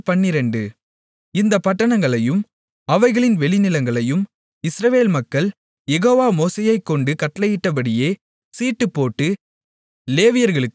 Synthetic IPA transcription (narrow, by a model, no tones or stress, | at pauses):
pɐɳːɪɾɛɳɖɯ | ɪnd̪ɐpɐʈːɐɳɐŋɡɐɭɐjɯm | ɐʋɐɪɣɐɭɪnʋɛɭɪnɪlɐŋɡɐɭɐjɯm | ɪsɾɐʋeːlmɐkːɐɭ | jɛɣoːʋaːmoːseːjɐɪkːɔɳɖɯkɐʈːlɐjɪʈːɐpɐɽɪjeː | siːʈːɯpːoːʈːɯ | leːʋɪjɐɾɣɐɭɯkːɯ̥